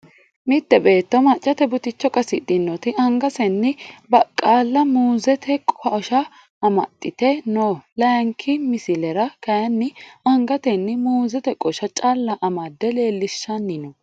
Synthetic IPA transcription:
mɪt̪ːɛbe̞ːt̪ːɔmɐt͡ʃʼːɐt̪ɛbʊt̪ɪt͡ʃːɔkʼɐsɪd̪ɪnːɔt̪ɪɐŋɡɐsɛnːɪbɐkʼːaːlːɐmuːzɛt̪ʰɛkʼɔʃɐ | ɐmɐ̰t̪ʼːɪt̪ɛnolɐjɐŋkʰɪmɪsɪlɛɾɐkɐjɐnːɪɐŋɡɐt̪ɛnːɪmuːzɛt̪ɛkʼɔʃɐt͡ʃʼaːlːɐʔɐmɐd̪ːɛle̞ːlːɪʃːɐnːɪnɔ

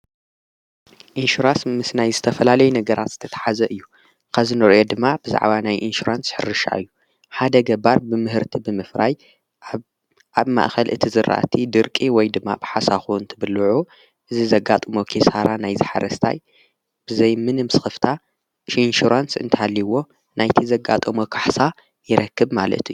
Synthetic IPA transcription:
ʔinʃuɾasmɨsnajzɨt̪ʰɐfɐlalɐjunɐɡɐɾʔat̪z̥ɨt̪ʰɐt̪ʰḁħazɐʔɨjːu | kʰɐzinɨɾʔo̞d̪ɨmːabɨza̰ʕbanajʔinʃuɾansħɨ̰ɾːɨʃa̰ʔɨ̰jːu | ħad̪ɐɡɐbaɾbɨmɨɦɨɾt̪ʰibɨmɨfɾaj | ʔaβma̰ʔxɐlʔɨt̪ʰizɨɾʔa̰ʔt̪ʰid̪ɨɾkʼiwɔjd̪ɨmːa̰bɨħasaxuɨnt̪ʰɨbɨlːʕu | ʔɨzizɐɡːat̪ʼɨmokʰesaɾanajzɨħa̰ɾɐst̪ʰa̰j | b̥ɨzɐjmɨnɨmsɨ̥xɨft̪ʰa | inʃuɾansɨ̰nt̪ʰɐhalːiwo̞ | nʔajt̪ʰizɐɡa̰t̪ʼɨmokʰaħsa | jɪɾɐkːɨbmalɐ̰t̪ɨjːu

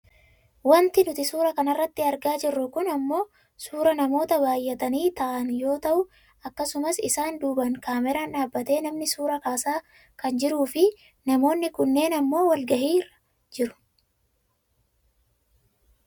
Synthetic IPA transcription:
wɐnt̪ɪnʊt̪ɪsuːɾɐkɐnɐrːɐt̪ːɪɐɾɡaːd͡ʒɪrːʊkʊnɐmːo̞ː | suːɾɐnɐmo̞ːt̪ɐbaːjːɛt̪ɐniːt̪ɐʔɐnjo̞ːt̪ɐʔʊ | ɐkːɐsʊmɐsɪsaːnd̪uːbɐŋkaːmɛɾanᶑaːbːɐt̪e̞ːnɐmnɪsuːɾɐkaːsaː | kɐnd͡ʒɪɾuːfɪ | nɐmo̞ːnːɪkʊnːe̞ːnɐmːo̞ːwɐlɡɐhiːrɐ̥ | d͡ʒɪɾʊ̥

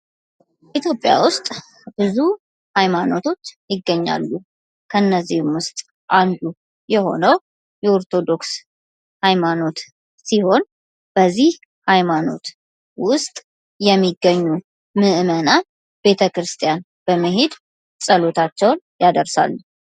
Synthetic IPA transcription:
ʔit̪jo̞pʼja̰wʊst̪ʼ | b̥ɨzu | hajmano̞t̪ʰo̞t͡ʃːjɪɡːəɲːa̰lːu | kʰəɨnːəzːihmwʊst̪ʼ | ʔand̪u | jɛho̞̰nəw | jɛoɾt̪ʰo̞d̪o̞ks | hajmano̞t̪ | siho̞n | b̥əzːih | hajmano̞̰t̪ | wʊst̪ʼ | jɛmːiɡːəɲːu | mɨʔɨməna | be̞t̪ʰəkɾɨst̪ʰʼjan | b̥əməɦe̞d̪ | sʼəlo̞t̪ʰat͡ʃːɛwn | jad̪əɾsa̰lːu

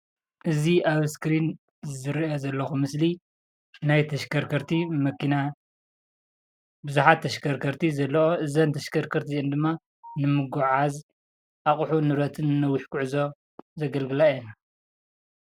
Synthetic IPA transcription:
ʔɨziʔaβskɾin | zɨɾiozɐlːɐxumɨsli | najt̪ʰɐʃkʰɐɾkʰɐɾt̪ʰimɐkina | bɨzuħat̪ʰːɐʃkʰɐɾkʰɐɾt̪ʰizɐlːɐoʔɨzɐnt̪ʰɐʃkʰɐɾkʰɐɾt̪ʰiend̪ɨmːa | nɨmɨɡuʕaz | ʔaχʼħunɨɾɐt̪ʰɨnːɐwːiħkʰuʕɨzo̞ | zɐɡɐlɡɨlaena

